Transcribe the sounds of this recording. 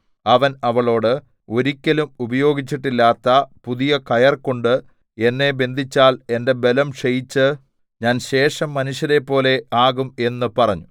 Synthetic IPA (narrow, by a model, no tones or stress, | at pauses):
ɐʋɐnɐʋɐɭo̞ːɽɨ | o̞ɾikʲːɐlumubɐjo̞ːɡit͡ɕːiʈːilːaːt̪ːɐpuðijɐkɐjɐrko̞ɳɖɨ | e̞nːe̞be̞nd̪ʱit͡ɕːaːle̞nde̞be̞lɐmʂejit͡ɕːɨ | ɲaːnɕe̞ːʂɐmːɐnuɕjɐɾe̞pːo̞ːle̞aːɣume̞nːɨpɐrɐɲːu